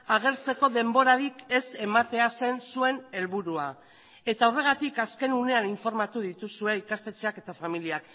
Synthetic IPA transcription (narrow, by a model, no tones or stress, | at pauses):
aɣ̞e̞ɾt͡se̞ko̞ðe̞mbo̞ɾaɾike̞se̞mat̪e̞ase̞nsue̞ne̞lβuɾua | e̞t̪aore̞ɣ̞at̪ikaske̞nune̞aniɱfo̞ɾmat̪uð̞it̪usue̞ikast̪e̞t͡ʃeake̞t̪afamiliak